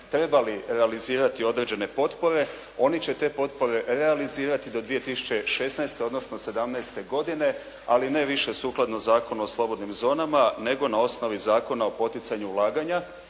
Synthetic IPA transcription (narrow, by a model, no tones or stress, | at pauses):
t̪ɾe̞baliɾe̞aliziːɾat̪io̞d̪ɾe̞ːd͡ʑe̞ne̞po̞t̪po̞ɾe̞ | o̞nit͡ɕe̞t̪e̞ːpo̞t̪po̞ɾe̞ɾe̞aliziːɾat̪id̪o̞d̪ʋije̞t̪isu̥t͡ɕe̞ʃe̞snajst̪eo̞d̪no̞sno̞se̞d̪amnajst̪e̞ɡo̞d̪ine̞ | aline̞ʋiʃe̞suːklˠad̪nozaːko̞nuoslˠo̞bo̞d̪nimzo̞ːnamane̞ɡo̞nao̞sno̞ʋizaːko̞nao̞po̞t̪it̪saɲuːlˠaːɡaɲa